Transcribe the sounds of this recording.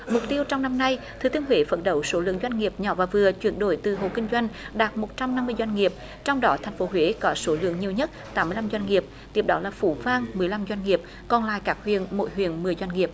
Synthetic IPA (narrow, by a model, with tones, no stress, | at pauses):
mʊ˨˩k͡p̚t̪i˧əwt͡ɕɔ˧wŋ͡mna˧mna˧jt̪ʰɨ˨˩t̪i˧ənɦwe˨˦fə˧˦˥n̚ɗə˧˩wso˨˦lɨ̰˧˨əŋzwa˧jŋ̟ŋi˨˩əp̚ɲɔ˧˦vaː˨˩vɨ˨˩ət͡ɕwi˧˩ənɗo˧˩jt̪ɨ˨˩ɦo̰˧˨kï˧ŋ̟zwa˧jŋ̟ɗaː˨˩t̚mo˨˩t̚t͡ɕa˧mna˧mːɨ˧əjzwa˧jŋ̟ŋi˨˩əp̚ | t͡ɕɔ˧wŋ͡mɗɔ˨˦t̪ʰɛ˨˩ŋ̟fo˨˦ɦwe˨˦kɔ˨˦so˨˦lɨ̰˧˨əŋɲi˨˩əwɲə˦˥t̚t̪aː˨˦mːɨ˧la˧mjzwa˧ŋ̟ŋi˨˩əp̚ | t̪i˨˩əp̚ɗɔ˨˦laː˨˩fu˧˩˦vaː˧ŋmɨ˨˩əjla˧mzwa˧jŋ̟ŋi˨˩əp̚ | kɔ˨˩nla̰ː˧˨jkaː˦˥k̚hwḭ˨˧˨ənmo̰˧˥jɦwḭ˨ənmɨ˨˩əjzwa˧jŋ̟ŋi˨˩əp̚